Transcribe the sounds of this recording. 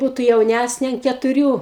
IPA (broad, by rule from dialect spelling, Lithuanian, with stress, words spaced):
ˈbuːtʊ jɛʊˈnʲæsʲnʲeː ɐn kʲɛtʊˈrʲuː